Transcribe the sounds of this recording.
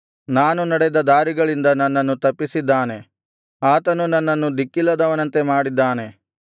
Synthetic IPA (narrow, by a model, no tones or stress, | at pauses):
naːnunɐɽed̪ɐd̪aːɾiɡɐɭind̪ɐnːɐnːɐnːut̪ɐpːisid̪ːaːne̞ | aːt̪ɐnunɐnːɐnːud̪ikːilːɐd̪ɐʋɐnɐnt̪e̞maːɽid̪ːaːne̞